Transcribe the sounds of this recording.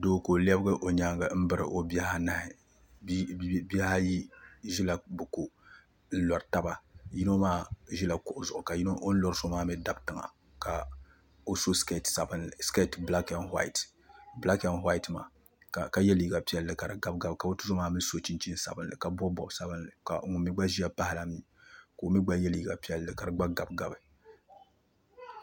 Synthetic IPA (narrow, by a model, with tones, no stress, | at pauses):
do˦˨ko˨li˦ɛ˦bɨ˦ɡɨ˦ʔo˨ɲa˦ŋɡɨ˦m̩˦bɨ˦ɾɨ̰˨ʔo˦bi˦a˦ha˦na˦hɪ˨ | bbi˦a˦ha˦ji˦ʒi˦la˨bʊ˨ko˨ | n̩˦lɔ˨ɾɨ˨ta˦ba˦ji˦no˦maː˦ʒi˦la˨kʊ˨ʔʊ˨˦zʊ˨ʔʊ˨ka˨ji˦no˦ʔo˦n̩˦lɔ˦ɾso˦maː˦mɪ˦da˦btɨ˨ŋa̰˨ | ka˨ | o˦so˦ske˦˨tsa˨bɨ˦nlɨ˨ske˦˨tbla˦kɛ˦nhwa̰˦ɪ˨t | bla˦kɛ˦nɦwa˦i˦tma̰ː˨ | ka˨ka˨jɛ˦li˨ɡa˨pi˦ɛ˦lːɨ˨ka˨ɾɨ˨ɡa˨b̚ɡa˨bɨ˨ka˨bo˦tu˦so˦maː˦mi˦so˦t͡ʃi˦nt͡ʃi˦n˦sa̰˨bɨ˦˨nlɨ˨ka˨bɔ˦bɔ˨bsa˦bɨ˦nɨ˨ka̰˨˦ŋʊ˨mi˦ɡ͡ba˦ʒi˦a˦pa˦hɪ˦la˦mi˦ | ko˨mi˦ɡ͡ba˦jɛ˦li˨ɡa˨pi˦ɛ˦lːɨ˨ka˨ɾɨ˨ɡ͡ba˦ɡa˨bɡa˨bɨ˨